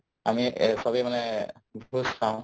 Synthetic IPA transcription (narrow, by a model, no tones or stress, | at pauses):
a̰misɔbimanɛbʱuskaʊ̃